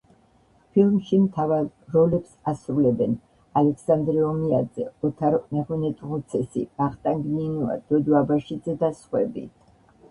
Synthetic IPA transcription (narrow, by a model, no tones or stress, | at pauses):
pʰilˠmʃimt̪ʰavalːɔlɛpsasɾulɛbɛn | alɛkʰsand̪ɾɛɔmiad̪zɛ̰ɔt̪ʰaɾmɛʁɔnɛt̪ʼʁut̪sʰɛsḭb̥aχt̪ʼaŋɡninua̰d̪̥ɔd̪abaʃid̪zɛd̪asχwɛ̰bḭt̪ʰ